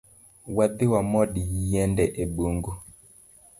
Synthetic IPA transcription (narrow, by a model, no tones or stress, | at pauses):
wad̪ɪwamɔɗijijɛndɛʔeɓuŋɡu